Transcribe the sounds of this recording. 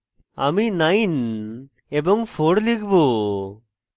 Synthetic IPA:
a̰minajn | ebɔŋpʰoɽlikʰbo

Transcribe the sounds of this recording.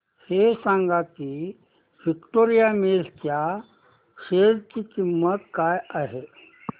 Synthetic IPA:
hesãŋɡakiː | ʋikʈoɾijamelkja | ʂeɾt͡ɕikimːət̪kajaɦe

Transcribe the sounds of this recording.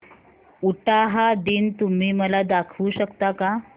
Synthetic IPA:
uʈaɦad̪iːnt̪um̤iːməlad̪akʰuːɕəkt̪aka

